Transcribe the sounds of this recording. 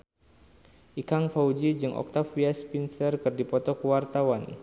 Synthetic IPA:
ʔikaŋfaud͡ʒid͡ʒɨŋʔɔ̰k̚t̪afiaspinsərkɨrdipɔt̪ɔkəwart̪awan

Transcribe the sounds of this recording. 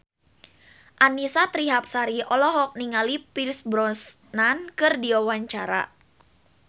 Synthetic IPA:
ʔanisat̪ɾiɦap̚saɾiʔɔlɔɦɔk̚niŋalipilsbɾɔnsnankɨrdiwawaɲt͡ʃaɾa̰

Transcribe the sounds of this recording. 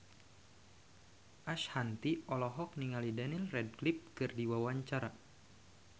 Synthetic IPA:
ʔaʃhant̪iɔlɔɦɔk̚niŋalidanilrɛd̚klip̚kɨrdiwawaɲt͡ʃaɾa

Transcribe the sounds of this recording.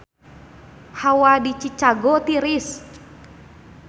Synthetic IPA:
hawadit͡ʃit͡ʃaɡɔt̪iɾis

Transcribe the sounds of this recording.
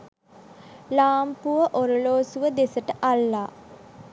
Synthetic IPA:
laːmpuʋəʔoɾəloːsuʋəd̪esəʈəʔalːaː

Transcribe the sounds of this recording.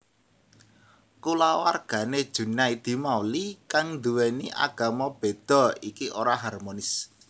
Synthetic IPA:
kulawarɡ̥ä̤ned̥ʒ̥ṳnaid̪̥i̤mawlikaŋnd̪uwɛniʔa̰ɡ̥a̤mab̥e̤d̪̥ɔ̤ikiʔoɾaɦarmonɪs

